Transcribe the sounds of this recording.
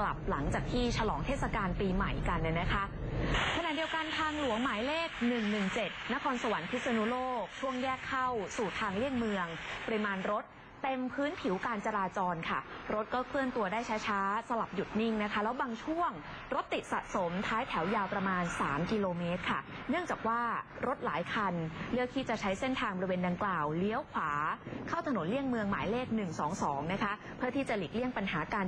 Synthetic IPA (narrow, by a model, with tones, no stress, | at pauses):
kla̰˨˩p̚la˩˦ŋt͡ɕaː˨˩k̚t̪ʰiː˥˩t͡ɕʰa˧lɔː˩˦ŋt̪ʰeː˥˩t̚sa˧kaː˧npiː˧ma̰˨˩jka˧nːa˥˩na˦˥kʰa˦˥ʔkʰa˧na˨˩t̚di˧əwka˧nt̪ʰaː˧ŋlu˨˩˦əŋmaː˩˦jleː˥˩k̚nɯ˨˩ŋnɯ˨˩ŋt͡ɕe˨˩t̪̚na˦˥kʰɔː˧nsa˧wa˨˩˦npʰi˦˥t̪sa˧nu˦˥loː˥˩k̚t͡ɕʰu˥˩əŋjɛː˥˩kʰːa˥˩wsuː˨˩t̪ʰaː˧ŋli˥˩ənmɯ˧əŋpə˧ɾi˧maː˧nɾo˦˥t̪̚ːe˧mpʰɯː˦˥npʰi˩˦wkaː˧nt͡ɕa˧ɾaː˧t͡ɕɔː˧nkʰa˥˩ɾo˦˥t̪̚kɔː˥˩kʰlɯ˥˩ənt̪u˧ɐdaː˥˩jt͡ɕʰaː˦˥t͡ɕʰaː˦˥sa˧la˨˩p̚ju˨˩t̪̚ni˥˩ŋna˦˥kʰa˦˥lɛː˦˥wbaː˧ŋt͡ɕʰu˥˩əŋ | ɾo˦˥t̪ːi˨˩t̪̚sa̰˨˩t̪̚so˩˦mt̪ʰaː˦˥jt̪ʰɛ˩˦wjaː˧wpɾa˧maː˧nsa̰ː˩˦mki˧loː˧meː˦˥t̪̚kʰa˥˩ | nɯ˥˩əŋt͡ɕaː˨˩k̚waː˥˩ | ɾo˦˥t̪̚laː˩˦jkʰa˧nlɯ˥˩əkʰːiː˦˥˩t͡ɕa˨˩t͡ɕʰa˦˥jse˥˩nt̪ʰaː˧ŋbɔ˧ɾi˧weː˧nda˧ŋklaː˨˩wli˦˥əwkʰwaː˩˦kʰaː˥˩wt̪ʰa˧no˩˦nli˥˩əŋmɯ˧əŋmaː˩˦jleː˥˩k̚nɯ˨˩ŋsɔː˩˦ŋsɔː˩˦ŋna˦˥kʰa˦˥ | pʰɯ˥˩ət̪ʰiː˥˩t͡ɕa˨˩liː˨˩k̚li˥˩əŋpa˧nɦaː˩˦kaː˧n